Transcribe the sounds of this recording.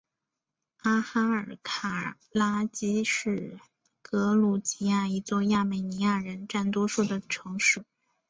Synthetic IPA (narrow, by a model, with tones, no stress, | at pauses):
a˥xa˥ə˞˨˩kʰa˨˩ | la˥t͡ɕi˥ʂɻ̩˥˩ | kɤ˧˥lu˨˩t͡ɕi˧˥ja˥˩i˧˥t͡swɔ˥˧ja˥˩me˨˩ɪni˧˥ja˥˩ɻə˧˥nʈ͡ʂa˥˩nt̪wɔ˥ʂu˥˩d̪ə˩ʈ͡ʂʰɤ˧˥ŋʂu˨˩˦